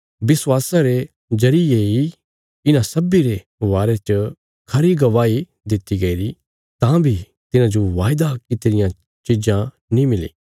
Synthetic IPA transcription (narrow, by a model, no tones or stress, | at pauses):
bɪswaːsãɾe | d͡ʒɐɾiei | ɪnãsɐbiɾe | ʋaːɾet͡ʃə | kʰɐɾiɡɐʋaːi | d̪ɪt̪ːiɡɐiɾi | t̪ãbʱi | t̪ɪnãd͡ʒoʋaːjd̪akɪt̪ɾɪjã | t͡ʃid͡ʒã | nĩmɪlḭː